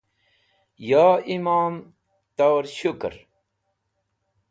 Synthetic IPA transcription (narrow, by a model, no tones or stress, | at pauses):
jaːimaːm | t̪awɾɕukɾ